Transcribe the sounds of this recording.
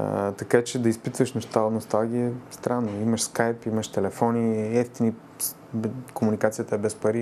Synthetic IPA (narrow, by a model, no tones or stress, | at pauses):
t̪ɐkat͡ʃɛd̪ɐispit̪vəʃnoʃt̪alnost̪alˠɡʲiɛst̪ɾanːoiməʃskajpiməʃt̪ɛlɛfɔniɛft̪ini | komunikat̪sijət̪əɛbɛspɐɾi